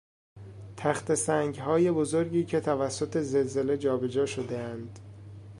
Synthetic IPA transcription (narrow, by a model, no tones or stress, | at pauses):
t̪ʰæxt̪e̞sæŋɡhɒːje̞bo̞zo̞ɾɟiːcʰe̞t̪ʰævæsːo̞t̪ʰe̞ze̞lze̞le̞d͡ʒɒːbe̞d͡ʒɒːʃo̞d̪eænd̪̥